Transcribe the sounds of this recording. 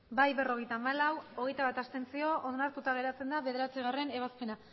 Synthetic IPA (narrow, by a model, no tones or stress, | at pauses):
bajβe̞ro̞ɣe̞jt̪aːmalawo̞ɣ̞e̞jt̪aβat̪ast̪e̞nt͡sio̞ʔonaɾt̪ut̪aɣ̞e̞ɾat͡se̞nd̪aβe̞ðe̞ɾat͡siɣ̞are̞ne̞β̞aspe̞na